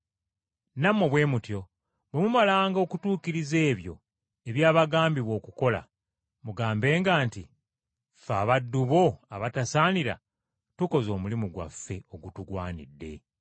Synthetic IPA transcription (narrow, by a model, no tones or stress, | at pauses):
namoβwe̞ːmutjo̞ | βwe̞mumalaːŋɡo̞kutuːkiɾize̞ːβjo̞̰ | e̞βjaːβaɡaːmbiβo̞ːkuko̞la̰ | muɡaːmbe̞ːŋɡaːnti | faːβadːuβo̞aβatasaːniɾa̰ | tuko̞zo̞ːmulimuɡwa̰fːe̞o̞ɡutuɡwaːnḭdːe̞̰